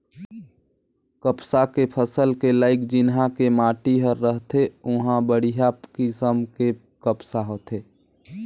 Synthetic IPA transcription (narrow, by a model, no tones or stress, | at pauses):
kəpsakepʰəsəlkelaːɪkd͡ʒɪnɦãkemaːʈiɦəɾːəɦt̪eʊɦãbəɽijakɪsəmke | kəpsaɦoːt̪eː